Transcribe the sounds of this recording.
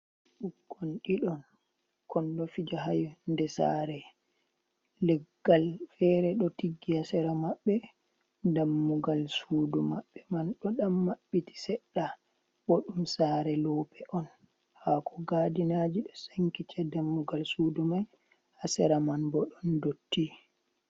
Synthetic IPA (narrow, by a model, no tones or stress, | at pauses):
ɗukːɔnɗiɗɔn | kɔndɔfid͡ʒaɦajndɛsa̰ɾɛ | lɛɡːalfɛɾɛɗɔtiɡːihasɛɾamaɓːɛ | damːuɡalsuːdumaɓːɛmanɗɔɗamːaɓːiti̥sɛɗːa | bɔɗumsaːɾɛlɔːpɛʔɔn | hakʰɔɡaːdinad͡ʒiɗɔsaŋkit͡ʃadamːuɡalsudumaj | hasɛɾamanbɔɗɔndotːi